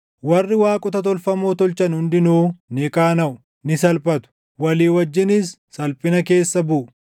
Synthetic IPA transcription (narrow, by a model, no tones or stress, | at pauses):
wɐrːɪwaːkʼʊt̪ɐt̪̬ɔlfɐmoːt̪ɔlt͡ʃɐnhʊnd̪ɪnuːnɪkaːnɐʔʊ | nɪsɐlpɐt̪ʊ̥ | wɐliːwɐd͡ʒːɪnɪsːɐlpʼɪnɐke̞ːsːɐbʊʔ